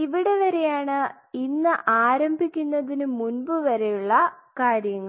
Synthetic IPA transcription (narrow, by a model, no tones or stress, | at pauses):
iʋiɽe̞ʋɐɾe̞jaːɳɨ | inːɨʔaːɾɐmbʱikʲːunːɐðinɨmunbɨʋɐɾejuɭːɐkaːɾjɐŋːɐ